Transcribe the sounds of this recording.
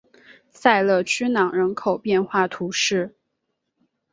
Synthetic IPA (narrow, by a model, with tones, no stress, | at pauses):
sa˥˧ɪlɤ˥˩t͡ɕʰy˥nɑ˨˩ŋɻə˧˥nkʰo˨˩ʊpjɛ˥˧nxwa˥˩t̪ʰu˧˥ʂɻ̩˥˩